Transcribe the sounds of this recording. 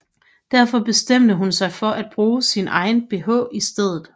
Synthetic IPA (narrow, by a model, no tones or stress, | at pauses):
d̥æɐ̰fɒ̽b̥e̝sd̥em̰d̥əɦunsɑ̈ɪfɒ̽ʔæd̥̚b̥ʁuːsinʔɑ̈ɪn̩b̥e̝ɦɔ̰ːisd̥eð̞̰ˠð̩ˠ